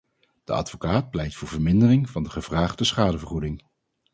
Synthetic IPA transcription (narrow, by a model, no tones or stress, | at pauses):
d̥əɑ̰dvokaːt̚plɛjktfʊːɹvəɹmɪndərɪŋvɑndəχəv̥raːχdəsχaːdəvəɹχudɪŋ